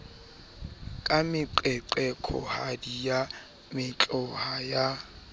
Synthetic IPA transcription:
kʼamɪǃɛǃɛkʰɔ̰hadija | mɪt͡ɬʼɔhaja

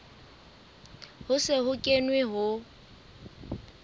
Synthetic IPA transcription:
hʊsɪhʊkʼenwɪɦʊ

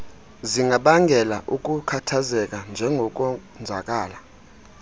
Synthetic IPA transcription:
ziŋɡʱaɓaŋɡʱɛlaʔuk̬ʼukʰatʰazɛk̬ʼand͡ʒʱɛŋɡʱɔk̬ʼɔnd͡zʱakʼaːla

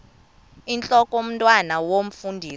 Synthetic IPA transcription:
int͡ɬʼɔkʼom̩ntʼwanawom̩fundʱiːs

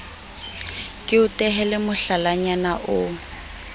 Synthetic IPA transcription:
kʼɪʊtʼɛɦɛlɛmʊɬalaɲanaʔʊ

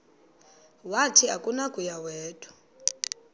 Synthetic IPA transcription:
watʰiakʼunakʼujawɛːtʰʼu̥

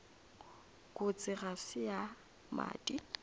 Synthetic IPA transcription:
kʼʊt͡sʼɪɣasɪja | ma̰ːdʼi

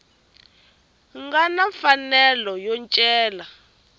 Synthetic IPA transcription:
ŋɡanaɱfanɛlɔjɔnt͡ʃʼɛːla

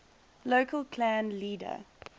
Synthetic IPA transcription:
loʊkəlˠkʰlæ̃nliːdə̰

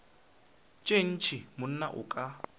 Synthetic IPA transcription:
t͡ʃʼen̩t͡ʃʰɪmʊn̩na̰ʔʊ̰kʼa

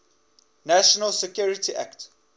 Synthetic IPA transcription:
næʃɔnəlsɛkʰjuɹɪtiʔæ̰kt

